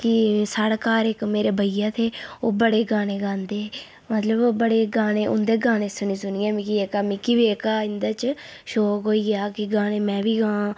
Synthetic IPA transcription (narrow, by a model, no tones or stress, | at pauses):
kɪsaːɽkaːɾekmeːɾeːbʱəijãːt̪ʰeːoːbəɽeːɡãːɽ̃eːɡãːnd̪eː | mət̪ləbːbəɽeːɡaːɽ̃ẽːʔʊ̰nd̪eːɡaːnẽːsʊnĩːsʊniːaːmɪkieːkaːmɪkiʋeːkaːɪnd̪aːt͡ʃ | ʃoːkɦoːiːjaːkɪɡaːɽ̃eːmɛ̃ːbiːɡãː